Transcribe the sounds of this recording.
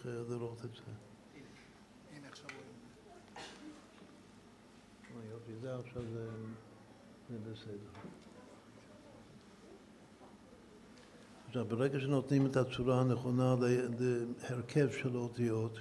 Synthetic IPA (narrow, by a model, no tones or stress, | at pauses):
dəɾoχtɛzɛ | njofizɛafʃavzɛ | zɛbəsɛdɛɾ | afʃavbəɾɛɡəʃənɔtnimətat͡suɾaːnəχɔnaddɪhɛɾkʰɛvʃɛlotijɔt